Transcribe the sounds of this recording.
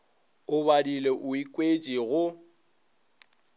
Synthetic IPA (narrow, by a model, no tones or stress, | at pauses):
ʊβadileʔʊikʼwed͡ʒʼiɣʊ